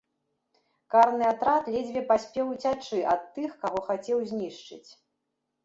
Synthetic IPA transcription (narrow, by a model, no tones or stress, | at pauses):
karnɨat̪ɾat̪lʲɛd͡zʲvʲɛpasʲpʲɛwt͡sʲat͡ʂɨʔɐt̪ːɨxkaɣɔxat͡sʲɛwzʲnʲiʂt͡ʂɨ̰t͡sʲ